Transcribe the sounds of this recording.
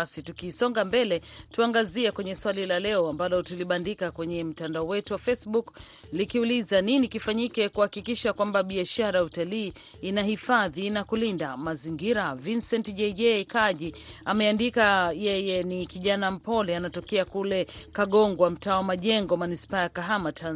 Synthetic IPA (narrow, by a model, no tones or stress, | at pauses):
asitukisɔŋɡambɛlɛtuaŋɡaziɛkwɛɲɛswalilalɛɔambalɔtuliɓandikakwɛɲɛm̩tandaɔwɛtuwafɛsɓuk | likiulizaninikifaɲikɛkuhakikiʃakwambaɓiaʃaɾajautaliː | inahifaðinakulindamaziŋɡiɾavinsɛntʄɛʄɛkaʄiamɛandikajɛjɛnikiʄanam̩pɔlɛanatɔkɛakulɛkaɠɔŋɡwam̩taːwamaʄɛŋɡɔmanispaːjakaɦamatʰan